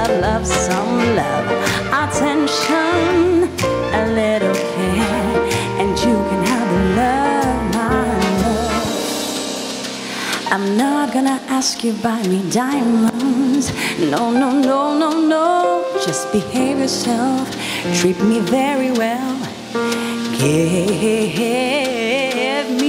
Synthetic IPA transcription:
lʌv̥sʌ̃mlʌv | ʔətʰɛ̃nʃə̃n | əlɛɾokʰɛ | ʔɨ̃njɨkʰɨ̃nəvəlʌvmaɪ | ãɪ̃mnəʊɡ̥ʌnɨʔæskjɨbaɪmidaɪɪ̃mʌ̃nz̥noʊnoʊnoʊnoʊnoʊ̥d͡ʒ̥ʌsb̥ɨheɪvjə˞sɛlˠf | tʰɹ̥ip̚mivɛɹiwɛlˠ | ɡ̥ɪ | vmi

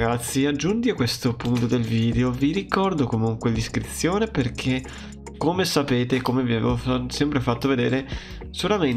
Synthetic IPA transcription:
ɡat̪sːiad͡ʒːunt̪iakwest̪opunt̪od̪elviːd̪eoviɾikɔrd̪okomuŋkweliskɾit̪sjoːneperk̟ʰe | kːomesapeːt̪eːkːomeviavḛosɛmpɾefat̪ːoved̪eːɾe | solamen

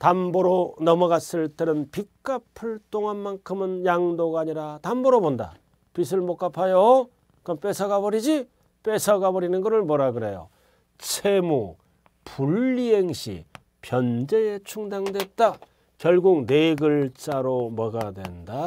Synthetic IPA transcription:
tamboɾonʌmʌɣas͈ɯɭt͈ɯɾɯnpik͈apʰɯɭt͈oŋɦanmaŋkʰɯmɯnjaŋdoɡaaːɲiɾatambʌɾobonda̰ | pis̬ʰɯɭmok͈apʰajo | kɯʌmp͈e̞sʰʌɡabʌɾid͡ʑi | p͈e̞sʰʌɡabʌɾinɯnɡʌɾɯɭmwʌɾaɡɯɾe̞jo̰ | t͡ɕʰemu | puɭːiɦeŋɕʰḭ | pjʌnd͡ʑe̞et͡ɕʰuŋdaŋdwe̞t̚t͈a | kjʌɭɡuk̚neɡɯɭt͡ɕ͈aɾomʌɡadwe̞̰nda

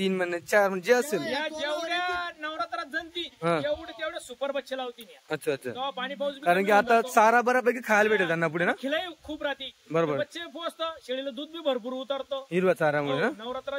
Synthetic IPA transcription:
t̪iːnmənːet͡ɕaɾm̤əɳd͡ʑeəselaeɽanəʋɾat̪ɾat̪̚d͡zənt̪iːɦãd͡ʑapuɽet̪jaʋɽjasupəɾbətːɕʰelaʋt̪iːnjaətːɕʰaːtːɕʰa̰apaɽ̃ipawut͡sbikaɾəɳk̬iat̪asaɾabəɾabəkekʰajlbeʈʰelt̪anːap̬uɽenakʰelaikʰuːpɾat̪iːbəɾobbəɾətːɕʰefoəst̪əɕeɭiləd̪uːd̪̚biːbʱəɾp̬uɾut̪əɾt̪oɦiɾʋasaɾamuɽenanəʋɾat̪ɾa

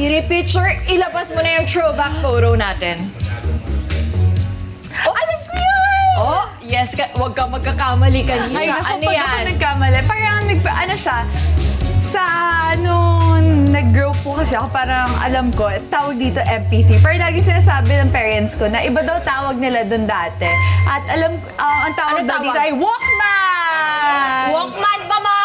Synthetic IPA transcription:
ɪɾipit͡ʃʊɹɪlɐbɐsmonɐjʊŋt̪ɹowbak̪̚ːowɾownaːt̪ɛn | oʔɐlɐsm | o | jɛskɐwɐɡ̚kɐmɐɡ̚kɐkamɐlikɐniaɐʔɐonjanɐɡ̚kaːmɐlɛpaːɾɐŋŋnɐɡ̚ɐʔɐnoʃɐ | sɐnoŋnɐɡɹowp̚ːokɐsɛʔɐkopaːɾɐŋʔɐ̰lɐmko̞ | t̪aːwɐɡ̚d̪iːt̪o̞ʔɛmpiːt̪ipɛːɹɐlaːɡɪŋsɪnaːs̬aːbɪnɐŋpɛːɹɛnt̪sko̞nɐʔɪbad̪ɐwt̪aːwɐɡ̚nɪlad̪ond̪aːt̪ɛʔɐt̪ʔɐlɐm | ʔɐɐŋt̪aːwɐɡ̚d̪ɐwd̪it̪oʔɐjwok̚ma | wok̚man̚bɐma

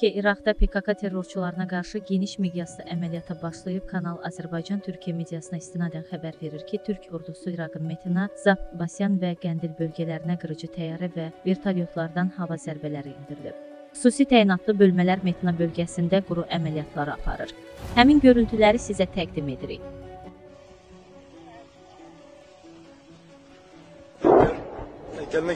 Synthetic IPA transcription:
iʔiɾɑɡd̪ɑpʰe̞kʰɑkʰɑt̪ʰe̞rːo̞ɾt͡ʃʰulˠɑɾɯnɑɡɑɾʃɯje̞niʃme̞d̪ijɑsɯʔæmælijɑt̪ʰɯbɑʃlˠɯjɯb̚kʰɑnɑlˠɑ̰zæɾbɑjd͡ʒɑnt̪ʰyɾcʰijæme̞d̪ijɑsɯnɑist̪inɑd̪ænxæbæɾve̞ɾiɾcʰit̪ʰyɾcʰoɾd̪usuiɾɑɡɯnme̞t̪ʰenɑz̥ɑpbɑsjɑnvæɡænd̪ilbø̞lɟʲælæɾinæɡɯɾɯd͡ʒɯt̪ʰæjɑɾivæveɾt̪ʰɑlijo̞t̪ʰlˠɑɾd̪ɑnhɑvɑzæɾbælæɾiind̪iɾilḭb̥̚ | xu̥susit̪ʰæinɑt̪lˠɯbø̞lmælæɾme̞t̪ʰenɑbø̞lɟæsind̪æɡuɾuʔæmælijɑt̪ʰlˠɑɾɯɑ̰pʰɑ̰ɾɯ̰ɾ̥hæminɟø̞ɾylt̪ʰylæɾisizæt̪ʰæɡd̪ime̞d̪iɾḭj

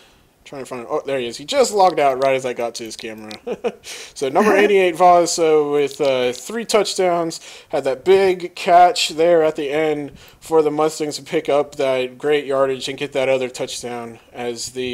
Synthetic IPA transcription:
tʰɹ̥aɪ̃ŋtəfãɪ̃ndoʊðə˞ɪz̥hid͡ʒʌstˡlɔk̚daʊt̚ɹaɪɾɨzaɪɡɑtʰɨɪz̥kʰæmə˞ɨ | soʊnʌ̃mbə˞ẽɪ̃ɾ̃ieɪtv̥ɑz̥soʊwɪð̥ʌθɹitʰʌt͡ʃd̥ãʊ̃nz̥hɨd̪̚ðɨt̚b̥ɪɡkʰæt͡ʃðə˞ɨt̪̚ðiɛ̃nd̥ | fə˞ðəmʌstɪ̃ŋtʰɨpʰɪkʌp̚ðɨt̚ɡ̥ɹeɪʔ̚jɑɹɾɨd͡ʒɨ̃nɡɛt̪̚ðɨɾʌðə˞tʰʌt͡ʃd̥ãʊ̃nɨzðɨ

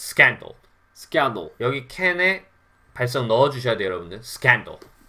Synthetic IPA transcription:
sʰɯ̥k͈andɯ̰ɭ | sʰɯ̥kand̰ɭjʌɡikʰene | paɭs̬͈ʌŋnʌʌd͡ʑuɕʰʌjadwejʌɾʌbundɯsʰɯ̥kandɯ̰ɭ

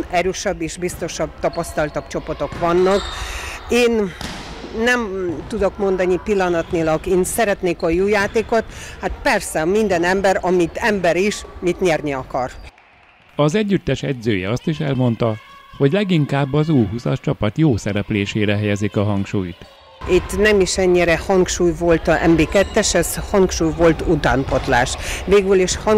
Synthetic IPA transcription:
nɛɾøːʃɛbːeːʃbist̪o̞ʃɒbt̪ɒpɒst̪ɒlt̪ɒb̥t͡ʃo̞po̞t̪o̞kʋɒnːɒkeːnː | ɛmt̪ud̪o̞kmo̞nd̪ɒnipilːɒnɒt̪nilɒɡeːnsɛɾɛt̪neːkojuːjaːt̪eːko̞t̪hat̪pɛrsɛmind̪ɛnɛmbɛɾɒmit̪ɛmbɛɾiʃmit̪ɲɛrniɒkɒr | ɒzɛɟːyt̪ːɛʃɛɟzøːjɛ̰ɒst̪iʃɛlmo̞nt̪ɒho̞ɟlɛɡiŋkaːbːɒzuːjɦusɒ̰ʃt͡ʃɒpɒt̪joːsɛɾɛpleːʃeːɾɛɦɛjɛzikɒɦɒŋkʃuːjt̪ | it̪ːnɛmiʃɛɲːiɾɛhɒŋkʃuːjvo̞lt̪ɒʔɛ̰mbeːkɛt̪ːɛʃɛzhɒŋkʃuːjvo̞lt̪ut̪aːmpo̞t̪la̰ːʃʋeːɡyliʃhɒ

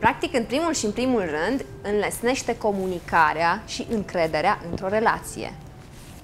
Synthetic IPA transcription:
pɾak̚t̪ikɨnpɾimulʃiɨnpɾimulrɨnd̪ | ɨnlesne̞ʃt̪e̞ko̞munikaɾeaʃiʔɨŋkɾe̞d̪e̞ɾeaʔɨnt̪ɾo̞ɾe̞la̰t̪sḭjḛ

